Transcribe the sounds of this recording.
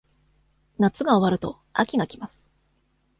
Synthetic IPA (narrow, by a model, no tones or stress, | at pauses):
nat͡sɨɡao̞βaɾɯ̟t̪o̞ | a̰kʲiɡakʲimasɨ̥